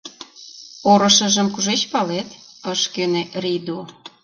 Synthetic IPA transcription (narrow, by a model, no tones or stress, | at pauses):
oɾɤ̆ʃə̆ʒəmkuʒet͡ɕpɑlet̪əʃkenerid̪o